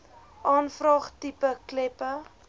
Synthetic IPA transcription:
ʔɑːnfrɑːχtipəklɛpə

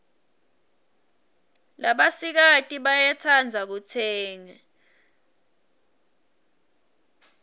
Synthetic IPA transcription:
laɓasik̬atʼiɓajɛt͡sʰand͡zʱak̬ut͡sʰɛːŋɛ

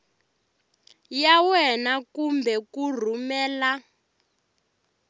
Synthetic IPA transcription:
jawɛnakumbʱɛkur̤umɛːla

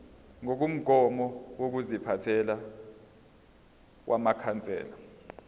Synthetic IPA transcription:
ŋok̬um̩ɡ̥ʱɔmɔwok̬uzipʰatʰɛla | wʔamakʰant͡sʼɛ̰ːla

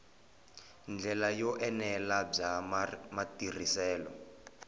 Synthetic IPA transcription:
nd͡ɮɛlajɔʔɛnɛlab͡ʐamatir̤isɛːlɔ

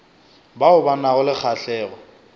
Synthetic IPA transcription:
baʊbanaɣʊlɪk͡xʰaɬɛːɣɔ

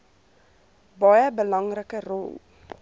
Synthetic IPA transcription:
bɑjəbəlɐŋrəkərɔ̰lˠ

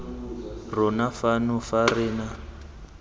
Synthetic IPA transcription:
rɔnafanʊfarina

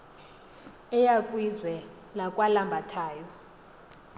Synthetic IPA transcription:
ɛjakʼwizwɛ | lakʼwalambʱatʰaːjɔ

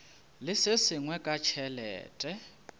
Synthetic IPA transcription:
lɪsɪsɪŋwɛkʼat͡ʃʰɛlɛ̰ːtʼɛ

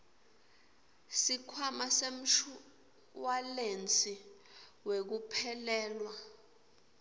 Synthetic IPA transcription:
sikʰwamasem̩ʃ | walent͡sʼi | wek̬upʰɛlɛːlwa

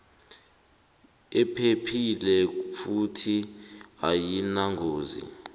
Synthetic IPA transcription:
ɛpʰepʰilɛfutʰiajinaŋɡʱoːzḭ

